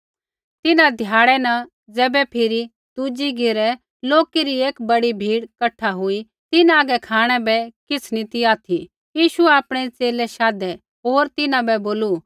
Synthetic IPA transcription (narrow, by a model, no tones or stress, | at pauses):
t̪ɪnãd̪ʱjaːɽ̃ɛnɐ | d͡zɛːbɛpʰɪɾi | d̪̥ud͡ʒiɡɪɾɛ | loːkeɾieːkbɐɽibʱiːɽkɐʈʰːaɦʊi | t̪ɪnaːɡɛkʰaːɽ̃ɛbɛkɪt͡sʰnit̪iaːt̪ʰi | jiːʃuɛaːpɽ̃ɛt͡seːlɛʃaːd̪ɛ | ɦoːɾt̪ɪnãbɛboːlu